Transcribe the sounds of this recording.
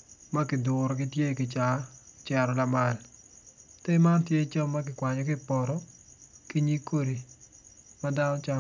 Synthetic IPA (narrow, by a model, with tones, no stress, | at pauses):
ma˦kɪ˨dʊɾɔ˨kɪ˦tje˦kɪ˨t͡ʃa˨t͡ʃɛ˨ɾɔ˨la˦ma˨l | te˦ma˦ntje˦t͡ʃɔ˦mːa˦k̬ɪ˨kwa˨ɲɔ˨kɪ˦pɔ˨ɾɔ˦ | ki˦ɲi˦ko˦ɾi˨ | ma˦da˦nɔ˦t͡ʃa˦